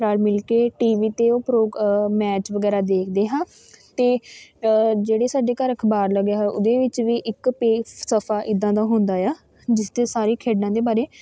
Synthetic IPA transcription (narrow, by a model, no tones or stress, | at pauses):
ɾaːɾmɪlkeːʈiːʋiːt̪eːoːpɾoːmɛːt͡ʃʋəɡɛːɾaːd̪eːkʰd̪eːɦãː | t̪eː | d͡ʒeːɽeːsaːɖeːkəɾəkʰbaːɾləɡjaːɦɛːʔʊd̪eːʋɪt͡ʃʋiːʔɪkpeːsəpʰaːʔɪd̪ːãːd̪aːɦʊ̃nd̪aːjaː | d͡ʒɪst̪eːsaːɾeːkʰeːɖnãːd̪eːbaːɾeː